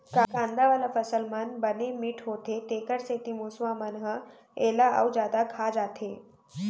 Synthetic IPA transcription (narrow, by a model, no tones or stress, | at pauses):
kakãːnd̪aʋaːlafʰəsəlmənbənemiʈʰɦoːt̪ʰet̪eːkəɾset̪imusʋãmənɦə | eːlaə̰ud͡ʒaːd̪akʰad͡ʒaːt̪ʰeː